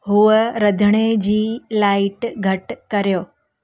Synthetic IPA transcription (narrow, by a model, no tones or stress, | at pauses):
ɦuəɾəd̪ʱəɽ̃ed͡ʑiːlaːɪʈɡʱɐʈkɐɾjoː